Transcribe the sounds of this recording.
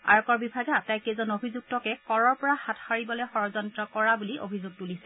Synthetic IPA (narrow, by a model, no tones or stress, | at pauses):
a̰ɹɔkɔɹbibʱaɡɛatajkɛzɔnobʱizuɡ̚tɔkɛkɔɹɔɹpɔɹahatʰhaɹibɔlɔjxɔɹɔzɔntɹɔkɔɹabuliʔo̰bʱizuɡ̚tulisɛ